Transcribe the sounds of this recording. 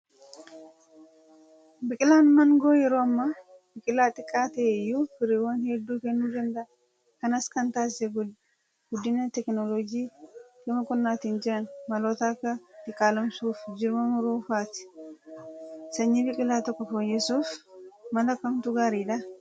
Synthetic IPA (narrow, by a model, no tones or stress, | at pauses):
bɪkʼɪlaːnmɐŋɡoːjɛɾoːɐmːa | bɪkʼɪlaːt̪ʼɪkʼːaːt̪ɐʔɛjːufɪɾiwɐnhɛd̪ːuːkɛnːuːd͡ʒɐnd̪ɐ | kɐnɐskɐnt̪aːsɛɡ | ɡ̥ʊd̪ːɪnɐt̪ɛknoloɡiːkɪmɐkʼɔnːaːt̪iːnd͡ʒɪɾɐnmɐloːt̪aːkːɐt̪ʼɪkʼaːlɐmsuːfd͡ʒɪɾmɐmʊɾuːfaːt̪ɪ̥ | sɐɲːibɪkʼɪlaːt̪ɔkːɔfojːɛsuːfmɐlɐkɐmt̪uɡaːɾiːd̪ɐ